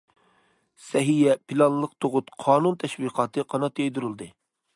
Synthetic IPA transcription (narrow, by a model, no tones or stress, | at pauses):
sɛɦijɛpʰilˠɑnlˠəq̚t̪ʰoʁʊt̪qʰɑːnunt̪ʰɛʃwiqʰɑːt̪ʰɨqʰɑnɑt̪jejd̪uɾɨlˠd̪ɨ